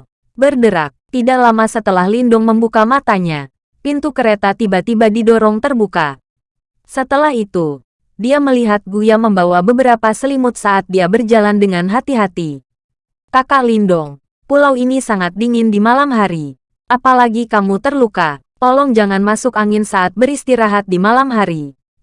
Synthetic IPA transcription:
bərdəɾa̰k̚t̪idaʔlamasət̪əlahlindɔŋməmbukamat̪aɲa | pint̪ukəɾet̪at̪ibat̪ibadidɔɾɔŋt̪ərbuka | sət̪əlahit̪u | diaməliɦat̪̚ɡujaməmbawabəbəɾapasəlimʊt̪̚saʔːt̪̚diabərd͡ʒalandəŋanɦat̪iɦat̪i | kakalindɔŋ | pulawinisaŋat̪̚diŋɪndimalamɦaɾi | ʔapalaɡikamut̪ərluka | t̪ɔlɔŋd͡ʒaŋanmasʊkaŋɪnsaʔat̪̚bəɾist̪iɾaɦat̪̚dimalamɦaɾi

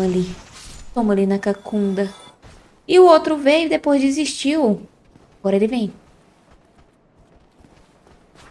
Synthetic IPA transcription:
ɐlit̪õmɐlɪnɐkakũnd̪ɐ | ɪuowt̪ɾʊvejʊd̪epojzd͡ʒiziʃt͡ʃiʊ | aɡɔɾɐelɪvẽj̃

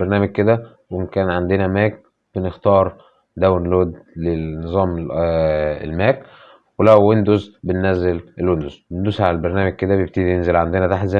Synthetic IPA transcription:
beɾˤnæːmæɡ̚ked̪æ | wenkæːnʕand̪enæmæːk̚ | b̥enext̪ɑːɾˤ | d̪æwnloːd̪lenːezˤɑːme | ḛlmæːk | welæwwend̪ozbenːæzːelʔelwend̪ozwend̪usʕalælbeɾnæːmæɡ̚ked̪æbjeb̚t̪iːd̪ijenzelʕand̪enæt̪aħt̪zæ

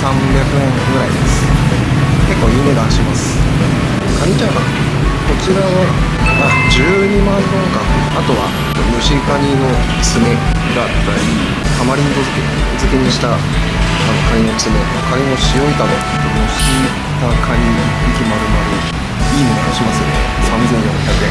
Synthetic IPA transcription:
sãmbʲjakɯ̟ẽ̞ŋɡɯ̟ɾaid̪e̞sɨ̥ | ke̞kːo̞ːjɯ̟me̞d̪ãɰ̃ɕimasɨ̥ | kaɲ̟ʲit͡ɕãɡ̪a | ko̞t͡ɕiɾaβa | ad͡ʑɨːɲ̟imãnɦẽŋkãat̪o̞βa̰ | et̪omɯ̟ɕikaɲʲio̞ | t͡sɨme̞ | ɡatːai | amaɾʲiɲik̪ozɨkeozɨkeɲ̟iɕi̥t̪a | anokaɲ̟ino̥sɨmeokaɲʲino̞ɕijo̞it̪ad̪o | t̪omɯ̟ɕi | t̪akʰaɲ̟ʲi | ikʲimaɾɯ̟maɾʲi | iːmonooɕimasɨjosãnzẽ̞ñːõçʲakɯ̟ẽ

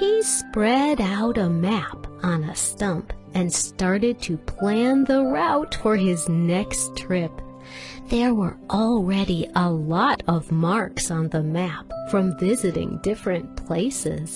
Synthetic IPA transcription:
hispɹɛɾaʊɾəmæpn̩əstʌ̃mp | ɨ̃nstɑɹɾɨd̚tʰɨpʰl̥æ̃nðəɹaʊtfə˞ɪznɛkstʰɹ̥ɪp | ðə˞wə˞ʔɔlˠɹɛɾiʔəlɔɾʌvmɑɹksn̩ðəmæpfɹʌ̃ɱvɪzɨɾɪ̰̃ŋdɪfɹɨ̃npʰl̥eɪsɪ̰z̥

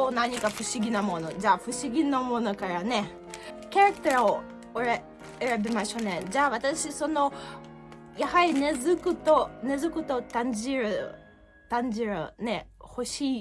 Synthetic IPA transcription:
soːnaɲ̟ikaɸɯ̟ɕiɡʲinamo̞no̞d͡ʑaːɸɯ̟ɕiɡʲinomo̞no̞kaɾane̞ | kʲaɾakɯ̥t̪aɾao | oɾe | eɾabemaɕo̞ːned͡ʑaːβat̪aɕiso̞no̞ | jahaɾʲine̞zɨkɯ̟t̪one̞zɨkɯ̟t̪o̞t̪ãɲ̟d͡ʑiɾɯ̟ | t̪ãɲ̟d͡ʑiɾɯ̟ne̞ho̞ɕiː

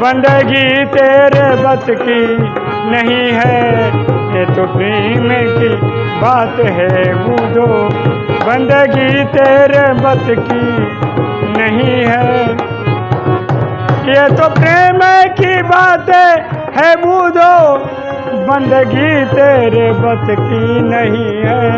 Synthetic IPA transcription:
bə̃nd̪eɡit̪eːɾebət̪ki | nəɦĩɦɛ | jeːt̪opɾeːmẽki | baːt̪ɦɛbuːd̪o | bə̃nd̪eɡit̪eːɾebət̪ki | nɐɦĩɦɛː | jeːt̪opɾeːmekibaːt̪ɦɛ | hɛbuːd̪oː | bə̃nd̪ɡit̪eːɾebɐt̪kinɐɦĩɦɛː

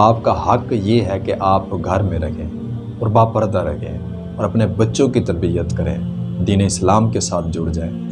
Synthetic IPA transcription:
aːpkaɦɐkjeɦɛkeʔaːpɡʱɐɾmẽɾɐkʰẽː | ɔːɾbaːpəɾd̪aɾɐ̰kʰḛ̃ | ɔːɾɐpnebɐtːʃõkit̪ɐbijət̪kɐɾḛ̃ːd̪iːneɪslaːmkesaːt̪ʰd͡ʒʊːɽd͡ʒaːeː

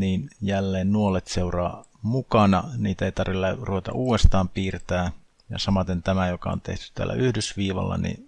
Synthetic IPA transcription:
niːnjælːeːnnuolet̪seurɑ̰ː | mukɑnɑ̰niːt̪æeijt̪ɑrʋilːæruʋet̪ɑ̰ʔuːest̪ɑːmpiːrt̪æː | jɑ̰sɑmɑt̪ent̪æmæjokɑont̪eht̪y̥t̪æ̰ːlːæ̰ʔyhdøsʋiːʋɑ̰lːɑ̰nḭ

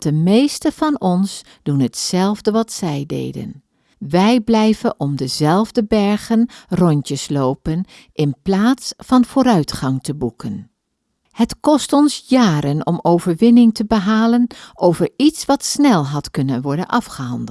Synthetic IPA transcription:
d̥əmejstəv̥ɑnɔns | d̥unɦətsɛlˠvdəʋɑtsɛjdḛːjdə̰n | ʋɛjblɛjvəʔɔmdəzɛlˠvdəbɛɹχənrɔntəslowpən | ʔɪnplaːtsfɑnv̥oːɾœɥtχɑŋtʰəbukən | hətkɔstɔnsjaːɾənɔ̰mowvəɹʋɪnɪŋtəbəɦaːlənʔowvəɹitsʋɑtsnɛlˠɦɑtkɵnənʋɔɹdə̰nʔɑfχəɦɑndə

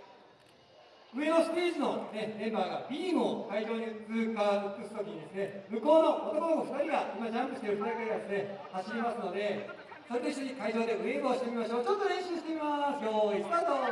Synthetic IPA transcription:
ɯ̟eosɨ̥pʲiːzɨno̞ne̞mẽ̞mbaːɡabʲiːɰo̞kaiʑo̞ːɲ̟it͡sɨːkaːokɯ̟sɨ̥t̪okʲiɲid̪e̞sɨne̞mɯ̟ko̞ːno̞ʔot̪o̞konokoɸɯ̟̥t̪aɾʲiɡaimad͡ʑãmpɯ̟ɕi̥t̪eɾɯ̟t̪iakeɡad̪esɨne̞haɕiɾʲimasɨno̞d̪e̞ | sat̪eisiɲikaiʑo̞ːd̪e̞ɯ̟eɡɯoːɕi̥t̪emʲimaɕo̞ːt͡ɕo̞t̪ːoɾẽ̞ɕɨːɕi̥t̪e̞mʲimasɨjoist̪at̪o

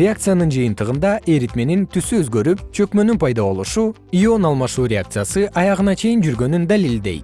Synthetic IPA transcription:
ɾʲeak̚t̪sɨjanɯnd͡ʒɯjɯnt̪ɯʁɯnd̪ɑʔe̞ɾit̪me̞nint̪ʰysyøzɡø̞ɾyp̚t͡ʃʰø̞kmø̞nynpʰɑjd̪ɑβo̞lˠuʃu | io̞nɑlˠmɑʃuːɾʲeak̚t̪sɨjasɯʔɑjɑʁɯnɑt͡ʃʰe̞jind͡ʒyɾɡø̞nynd̪ælild̪e̞̰jt̪

